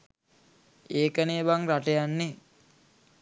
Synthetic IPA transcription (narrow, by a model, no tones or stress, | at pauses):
eːkəneːʋaŋɾaʈejanːe